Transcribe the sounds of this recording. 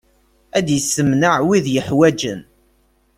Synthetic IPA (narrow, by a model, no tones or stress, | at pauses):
æd̪jəsːəmnəʕwiðjəħwæd͡ʒə̰n